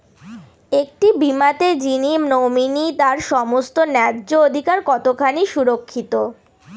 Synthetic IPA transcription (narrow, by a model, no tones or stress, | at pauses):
ek̚ʈibimat̪ed͡ʑinimnominit̪aɾʃɔmost̪onɛdːood̪ʱikaɾkɔt̪okʰaniʃuɾokʰːit̪o